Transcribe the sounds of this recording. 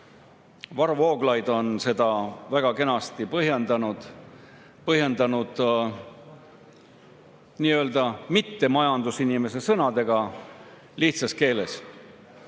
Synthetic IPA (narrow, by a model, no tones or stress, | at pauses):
vɑrvo̞ːɡ̥lɑjd̪̥o̞nse̞d̪ɑvæɡ̥ɑke̞nɑst̪ipɤɦjend̪ɑnud̪̥ | pɤɦje̞nd̪̥ɑnud̪̥ | niːø̞ːld̪ɑmit̪ːe̞mɑjɑnd̪usinime̞se̞sɤnɑd̪e̞ɡ̥ɑ | liht̪sɑske̞ːle̞s